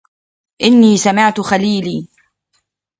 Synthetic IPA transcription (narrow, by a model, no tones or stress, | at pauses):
ʔɪnːiːsamɪʕt̪ʊxaliːliː